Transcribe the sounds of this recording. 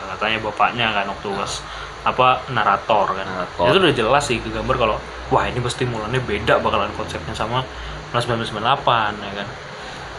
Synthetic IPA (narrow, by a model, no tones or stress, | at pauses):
kat̪aɲabapa̰ʔɲakanwak̚t̪uɡas | apanaɾat̪ɔrkanaait̪udid͡ʒəlasɪhkəɡambarkalo | wahinipast̪imulanɲabedaʔbakalankɔnsɛp̚ɲasama | mlasbaamsəmənlapanjakan